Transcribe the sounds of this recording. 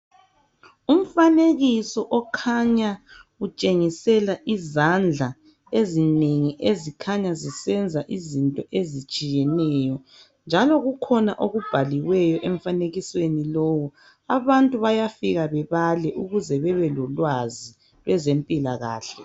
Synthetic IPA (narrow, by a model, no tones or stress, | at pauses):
um̩faneɣisɔʔɔkʰaɲaut͡ʃʼeŋisɛlaʔizand͡ɮʱa | ezineŋiʔezikʰaɲazisɛnd͡zʱaʔizintʼɔʔezit͡ʃʼijɛnɛːjɔ | nd͡ʒʱalɔɣukʰɔnaʔoɣub̥ʱaliwɛjɔʔɛɱ̩faneɣiswenilɔːwɔ | aβantʼuβajafiɣaβɛβalɛʔuɣuzɛβɛβɛlɔlwazi | βɛzempʼilaɣa̰ːɬɛ